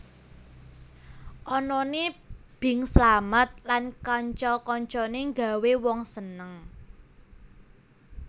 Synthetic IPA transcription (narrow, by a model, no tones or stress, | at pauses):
ʔɔnɔne | b̥ɪ̤ŋslamət̪̚lankaɲt͡ʃɔkɔɲt͡ʃɔneŋɡa̤wewɔŋsənəŋ